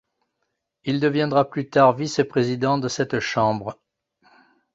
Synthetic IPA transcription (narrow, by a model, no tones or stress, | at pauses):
ild̪əvjɛ̃d̪ʁaplyt̪aʁvisepχezid̪ɑ̃d̪əsɛt̪ʃɑ̃bʁə